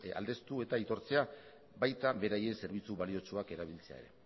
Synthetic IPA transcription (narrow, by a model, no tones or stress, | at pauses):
a̰ld̪e̞st̪ue̞t̪ait̪o̞ɾt͡se̞a | bajt̪aβe̞ɾaje̞nse̞ɾβ̞it͡suβalio̞t͡ʃuake̞ɾaβ̞ilt͡se̞a̰e̞ɾe̞̰